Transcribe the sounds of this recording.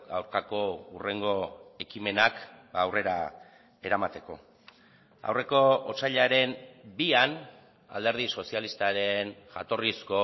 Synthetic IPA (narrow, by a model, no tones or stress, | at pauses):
a̰wɾkako̞ure̞ŋɡo̞e̞kime̞nakbaːwre̞ɾa | e̞ɾamat̪e̞ko̞̰ | a̰wre̞ko̞ot͡saʎaɾe̞mbian | a̰ld̪e̞ɾð̞iso̞sialist̪aɾe̞nʝa̰t̪o̞risko̞